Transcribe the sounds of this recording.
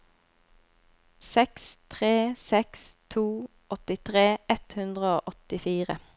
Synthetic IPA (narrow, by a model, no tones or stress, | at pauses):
sɛkst̪ʰʁeːsɛkst̪ʰuː | ʔɔt̪ɪt̪ʰʁeːʔɛt̪hʉnd̪ʁəoːʔɔt̪ɪfiːʁə